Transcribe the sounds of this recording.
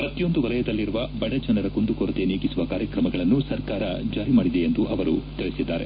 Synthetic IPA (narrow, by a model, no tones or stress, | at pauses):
pɾɐt̪ːijo̞nd̪uʋɐlɐjɐd̪ɐlːiɾuʋɐbɐɽɐd͡ʒɐnɐɾɐkond̪ukoɾɐt̪e̞neːkisuʋɐkaːɾjɐkɾɐmɐɡɐɭɐnːusɐɾkaːɾɐd͡ʒaːɾimaːɽid̪eend̪uʔɐʋɐɾut̪iɭesid̪ːaːɾe